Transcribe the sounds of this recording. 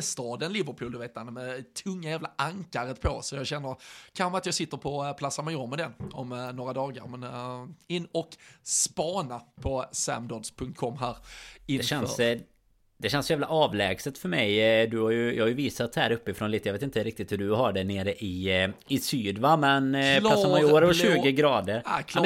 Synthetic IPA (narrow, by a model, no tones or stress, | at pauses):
st̪ɑːd̪ənlɪvəɾpʰuːld̪ɵveːt̪hanmɛt̪ʰɵŋːajæːvlaʔaŋkaɾət̪pʰɔsɔjɑːɡɕɛnːəɾkʰaxəmat̪jɑɡsɪt̪ːəɾpʰɔpʰlasːamajɔmɛd̪ɛnːɔmnoːɾad̪ɑːɡa̰ɾmɛnɪnːɔkspɑːnapʰɔsæ̰md̪ɔd̪spʰɵŋkt̪̚kʰɔmːɦæːɾɪd̪ɛɕɛnss | d̪ɛɕɛnsɔjæːvlaʔɑːvlɛːɡsət̪fœɾmɛjd̪ɵhajɵjɑːɡhajɵviːsat̪hæːɾɵpːɪfɾɔnliːt̪əjɑveːt̪ɪnt̪əɾɪk̚t̪ɪt̪hɵɖɵɦaɖɛneːɾəʔɪɪsyːd̪vamɛnlasamajuːɾʉːɡəɡɾɑːd̪əɾɛ